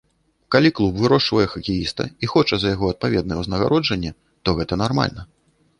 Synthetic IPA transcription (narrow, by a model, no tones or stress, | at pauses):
kalʲiklˠubvɨɾɔʂvɐjɛxɐkʲijist̪ɐ̰ixɔt͡ʂɐzɐjaɣɔɐt̪̚pavʲɛd̪̚nɐjɛwznɐɣa̰ɾɔd͡ʐɐnʲːɛ | t̪ɔɣɛt̪ɐnarma̰lʲnɐ